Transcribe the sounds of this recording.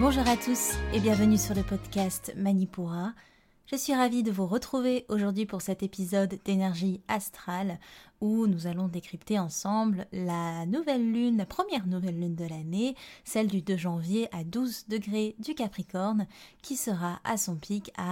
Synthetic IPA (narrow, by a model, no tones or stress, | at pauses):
bɔ̃ʒuʁat̪usebjɛ̃vənysyʁləpɔd̪kʲast̪manipuʁa | ʒ̥əsɥiʁavid̪əvuʁət̪χuveʔoʒuʁd̪ɥipuʁsɛt̪epizɔd̪ːenɛʁʒiast̪χalunuzalɔ̃d̪ekχipt̪eɑ̃sɑ̃bllanuvɛlːynlapχəmjɛʁnuvɛlːynd̪əlanesɛld̪yd̪øʒɑ̃vjeʔad̪uzd̪əɡʁed̪ykʲapχikɔʁnkʲʰisəʁaʔasɔ̃pʰika